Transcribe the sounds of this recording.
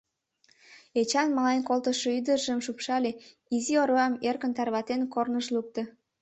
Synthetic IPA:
et͡ɕɑnmɑlɑnkolt̪əʃoyd̪əʒəmʃupʃɑle | izioɾoɑmerkənt̪ɑrβɑt̪enkornəʃluk̚t̪ə̆

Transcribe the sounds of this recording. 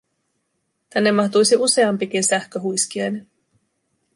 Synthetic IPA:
t̪ænːemːɑht̪ujsiʔuse̞ɑmpik̟insæhkøɦujskiɑjni

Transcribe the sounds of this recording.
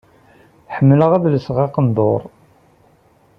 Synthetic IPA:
ħəmːələʁæðləsʁɑqənd̪ˤoɾˤ

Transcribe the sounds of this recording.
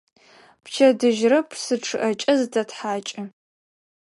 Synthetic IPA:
pʰt͡ʃʰɐdɨʒrɐpʰsɨʈ͡ʂʰɨʔɐt͡ʃʼɐzɨtʰɐtħaːt͡ʃʼɪ

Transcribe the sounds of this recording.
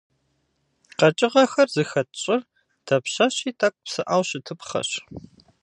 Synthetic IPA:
qɐt͡ʃʼɪʁɐxɐrzɨxɐtɕʼɪr | tʰɐpɕɐɕiːtʰʼɐkʷʼpsɨʔawɕɪtʰɨpχɐ̰ɕ

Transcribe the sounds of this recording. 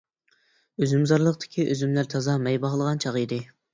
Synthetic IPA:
øzymzɑɾlˠəqd̪ʰɪ̥kʲʰiʔøzymlæɾt̪ʰɑzɑmɛjbɑʁlˠəʁɑnt͡ʃʰɑʁid̪ɪ

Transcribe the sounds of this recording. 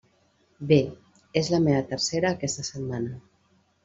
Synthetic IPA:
be | ezləmeət̪əɾseɾaːkɛst̪əsət̪manə

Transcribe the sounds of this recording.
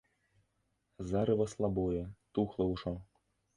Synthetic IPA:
zaɾɨvɐslˠabɔjɛt̪uxlˠɐwʂɔ

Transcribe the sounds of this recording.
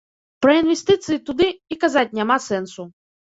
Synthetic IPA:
pɾɐinʋest̪ɪt̪sɨjit̪ʊd̪ɪikɐzɑt̚ʲnʲemɑsɛnsʊ

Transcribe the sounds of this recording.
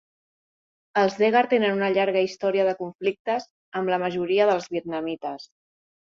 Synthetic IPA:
əlˠzðeɣaɾt̪enənunəʎaɾɣəist̪ɔɾiəðəkuɱflik̚t̪əz | əmləməʒuɾiəðəlˠzβiət̪̚nəmit̪əs

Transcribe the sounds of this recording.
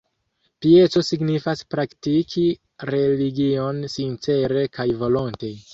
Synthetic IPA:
pie̞t͡so̞siɡnifaspɾaktikʰi | ɾe̞liɡio̞nsint͡se̞ɾe̞kajvo̞lo̞nte̞

